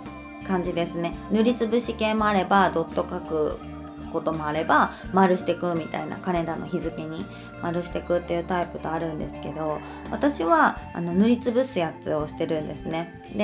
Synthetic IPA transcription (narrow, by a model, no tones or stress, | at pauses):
kãɲ̟d͡ʑid̪e̞sɨne̞nɯ̟ɾʲit͡sɨbɯ̟ɕikẽ̞mo̞aɾe̞bad̪o̞t̪ːo̞kakɯ̟ | ko̞t̪o̞mo̞aɾe̞bamaɾɯ̟ɕi̥t̪e̞kɯ̟mʲit̪a̰ina̰kaɾẽ̞nd̪anoçizɨke̞ɲ̟i | maɾɯ̟ɕi̥t̪e̞kɯ̟t̪ːe̞jɯ̟ːt̪aipɯ̟t̪oaɾɯ̟̃nd̪esɨ̥ke̞d̪o̞ | βat̪aɕiβaa̰no̞nɯ̟ɾʲit͡sɨbɯ̟sɨjat͡sɨo̞ɕi̥t̪e̞ɾɯ̟̃nd̪e̞sɨne̞ | d̪e̞